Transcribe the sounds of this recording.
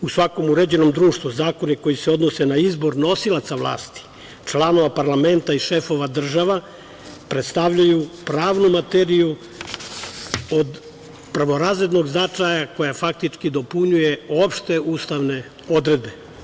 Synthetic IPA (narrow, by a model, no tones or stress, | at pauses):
usʋako̞muɾed͡ʑe̞no̞md̪ɾuːʃt̪ʋuzaːko̞niko̞jiseo̞d̪no̞se̞naizbo̞ɾno̞silˠat̪saʋlˠa̰ːst̪i̥ | t͡ʃlˠano̞ʋapaɾlame̞nt̪aiʃe̞fo̞ʋad̪r̩ʒaʋa | pɾet̪st̪aʋʎajupɾaːʋnumat̪eɾiju | od̪ | prʋo̞ɾaːzɾe̞d̪no̞ɡznat͡ʃajako̞jafak̚t̪it͡ʂkid̪o̞puɲuje̞o̞pʃt̪e̞uːst̪aʋne | o̞d̪ɾe̞d̪̚be̞